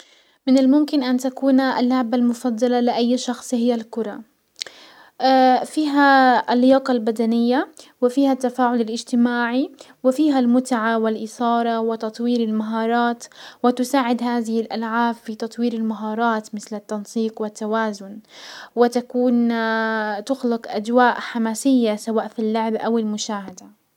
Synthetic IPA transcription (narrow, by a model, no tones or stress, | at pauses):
mɪnalmʊmkɪnʔant̪akuːna̰lːhaʕbalmʊfɑd̪ˤːɑlalɪʔajːʃɑxsˤhɪjːalkʊɾˤɑ | fiːɦaalːɪjɑːqɑlbad̪anɪjːawɪfiːhat̪ːafaːʕʊlɪlʔɪd͡ʒt̪ɪmaːʕi | wɪfiːɦalmʊt̪ʕawɪlʔɪsɑːɾˤɑwɪt̪ɑt̪ˤwiːɾɪlmaɦɑːɾˤɑːt̪wɪt̪ʊsaːʕɪd̪haːðɪhɪlʔalʕaːbfit̪ɑt̪ˤwiːɾɪlmaɦɑːɾˤɑːt̪mɪθlɪt̪ːɑnsiːqwɪt̪ːawaːzʊnwɪt̪akuːn | t̪ʊxlɪqʔad͡ʒwaːʔħamaːsɪjːasawaːʔfilːʊʕbʔawɪlmʊʃaːhad̪a